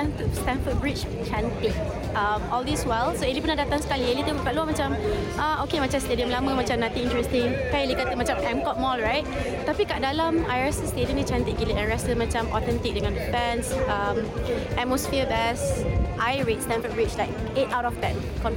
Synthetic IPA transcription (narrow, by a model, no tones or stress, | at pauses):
ɛ̃nfəstɛ̃ɱfət̚bɹit͡ʃ | t͡ʃɛ̃nt̪ɪk̚ | ãmɔldiswɛlsoelipənahdat̪ãŋsə̥kalielit̪əbukaʔluamat͡ʃãm | ʔaokemat͡ʃãmstediə̃mlamə̃mat͡ʃamnat̪ĩŋĩntɹɛst̪ɪ̃ŋkajlikat̪əmat͡ʃãmɛ̃mkɔt̚mɔlɹajt̚ | t̪apikaʔdalamajɹɛstəstedə̃ndit͡ʃɛ̃nt̪ik̚ɡiliʔɛ̃ɹɛstəmat͡ʃãmʔɔ̰t̪ɛ̃nt̪ik̚dəŋãndəfɛ̃nsʌ̃mɛt̚mosfiəbɛsʔajɹet̚stɛ̃nfət̚bɹit͡ʃlaɪk̚ | etawtɔfd̪ɛ̃n | kɔ̃n